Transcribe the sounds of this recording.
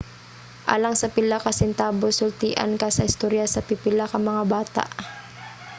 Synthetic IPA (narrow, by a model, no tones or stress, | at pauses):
ʔa̰ːlɐŋsɐpɪlakɐsɛnt̪aːbosʊlt̪iːʔɐ̰nkɐsɐhɪst̪oːɾjɐsɐpipɪlakɐmɐŋabaːt̪a̰ʔ